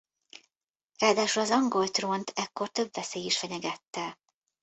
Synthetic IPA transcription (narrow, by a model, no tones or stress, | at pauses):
raːd̪aːʃulɒzɒŋɡo̞lt̪ro̞nt̪ʰɛkːo̞rt̪ø̞bʋɛseːjiʃfɛɲɛɡɛt̪ːɛ